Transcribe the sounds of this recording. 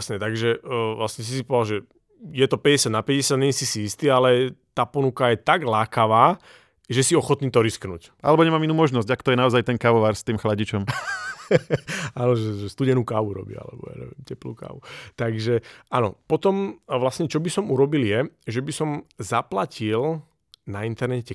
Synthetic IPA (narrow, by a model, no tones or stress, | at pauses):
sɲɛt̪aɡʒɛʋlasɲɛs̬isipɔd̪alʒɛ | jɛt̪ɔpɛɟɛsjad̪napɛɟɛsjad̪ɲɛɲɛsisiist̪iːalɛt̪aːpɔnukajɛt̪aɡlaːkaʋaː | ʒɛsiɔxɔt̪niːt̪ɔɾisknṵːcʔa̰lɛbɔɲɛmaːminuːmɔʒnɔzɟakt̪ɔjɛnaɔzajt̪ɛnkaʋɔʋaːɾst̪iːmxlaɟit͡ʃɔm | aːnɔʒɛʒɛst̪uɟɛnuːkaːʋuɾɔ̰bḭa̰lɛ̰bɔ̰ja̰ɲɛ̰ʋɛ̰mcɛplṵka̰ːʋut̪aɡʒɛanɔ̰pɔt̪ɔmʋlasɲɛt͡ʃɔbisɔmuɾɔbiljɛʒɛbisɔmzaplacil | naint̪ɛɾnɛcɛ